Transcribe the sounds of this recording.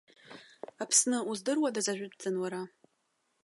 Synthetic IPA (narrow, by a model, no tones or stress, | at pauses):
apʰsnɨuzdɨrwadazaʒʷᶣʊtzɨnwaɾa